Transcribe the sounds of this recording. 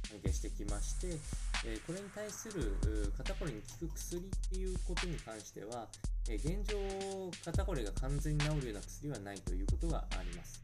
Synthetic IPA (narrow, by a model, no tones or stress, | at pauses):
oɡeɕi̥t̪e̞kʲimaɕi̥t̪e̞ːko̞ɾe̞ɲ̟it̪aisɨɾɯ̟kat̪ako̞ɾeɲ̟ikʲi̥kɯ̟kɯ̟̥sɨɾʲit̪ːe̞jɯ̟ːko̞t̪o̞ɲ̟ikãɰ̃ɕi̥t̪e̞̰β̞a | eɡẽ̞ɲ̟d͡ʑo̞ːkat̪ako̞ɾeɡakʰãnd͡zẽ̞ɲ̟ːinaoɾɯ̟jo̞ːnakɯ̥sɨɾʲiβanait̪o̞jɯ̟ːko̞t̪o̞ɡa̰a̰ɾʲimasɨ̥